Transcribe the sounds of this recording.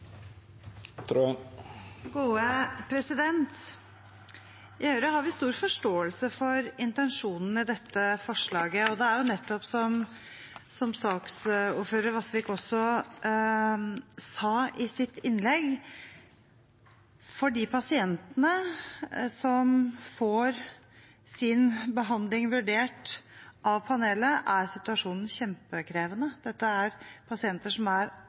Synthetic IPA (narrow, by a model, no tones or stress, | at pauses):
t̪ʰɾu | ɡuːəpʰɾɛsɪd̪ɛnt̪ | ɪhøːɾəhɑɾʋɪst̪uːɾfɔʂʈoːəlsəfɔɾɪnt̪ɛnʂuːnn̩ɪd̪ɛt̪ʰːəfɔʂɭɑːɡəɔd̪ɛæɾjʊnɛt̪ːɔpsɔm | sɔmsɑːksuːɾføːɾəɾʋɑsʋɪkɔsːɔ | sɑːʔɪsɪt̪ːɪnlɛɡ | fɔɖiːpʰɑsɪɛnt̪ənə | sɔmfoːɾ | sɪnbəɦɑnd̪lɪŋʋʉɖeːʈʔɑʋpʰɑneːləʔæɾsɪt̪ʉɑʂuːnn̩çɛmpəkʰɾeːʋənəd̪̥ɛt̪ːəæɾpʰɑsɪɛnt̪əʂɔmæɾ